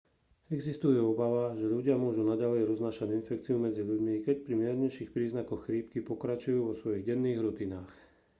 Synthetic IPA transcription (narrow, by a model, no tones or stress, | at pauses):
ɛɡzist̪ujɛɔbaʋaʒɛʎuɟɪamʊɔʒunaɟalɛjɾɔznaːʃaɟinfɛkt͡siumɛd͡ziʎuɟmikɛc̚pɾimɪɛɾɲɛʃiːxpɾiːznakɔxxɾiːpkipɔkɾat͡ʃujuːʋɔsʋɔjiɣɟɛnːiːɣɾut̪inaːx